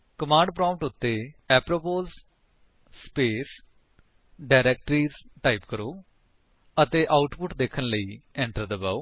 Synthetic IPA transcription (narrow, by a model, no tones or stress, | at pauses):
kəmãːɳɖpɾãːmʈʊt̪ːeːɛːpɾoːpoːz | speːs | ɖaːɾɛːk̚ʈɾiːzʈaːiːpkəɾoː | ət̪eːʔaːʊʈpʊʈd̪eːkʰənləiːɛ̃ːɳʈəɾd̪əbaːoː